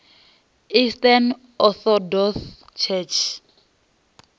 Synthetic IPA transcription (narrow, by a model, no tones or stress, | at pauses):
istan | ɔθɔdɔs | t͡ʃʰɛt͡ʃʰ